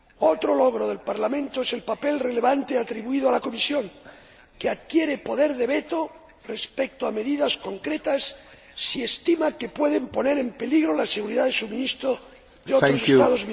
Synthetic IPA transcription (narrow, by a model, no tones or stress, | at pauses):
ot̪ɾoloɣ̞ɾoðe̞lpaɾlamẽ̞nt̪oese̞lpape̞lre̞le̞βant̪eat̪ɾiβuið̞oalako̞misjo̞ŋ | keaðkje̞ɾepo̞ðe̞ɾðe̞βet̪o | re̞spek̚t̪oame̞ðiðasko̞ŋkɾe̞t̪asː | ie̞st̪imake̞pwe̞ðe̞mpo̞ne̞ɾe̞mpe̞liɣɾo̞lase̞ɣ̞uɾiðaðesumĩnist̪ɾo | ðeooset̪aðozm